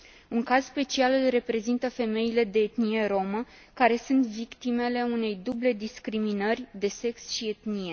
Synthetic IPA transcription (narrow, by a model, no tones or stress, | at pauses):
uŋkaz̥spe̞t͡ʃialɨlre̞pɾe̞zint̪əfe̞me̞ile̞d̪e̞ːt̪nije̞ɾo̞mə | kaɾe̞sunt̪vikt̪ime̞le̞une̞jd̪uble̞d̪iskɾiminərʲd̪e̞se̞ksʃie̞t̪nije̞